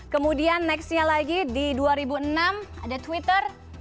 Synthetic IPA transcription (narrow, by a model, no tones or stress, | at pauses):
kəmudianːɛksɲalaɡididuaɾibuənama̰dat̪wit̪ər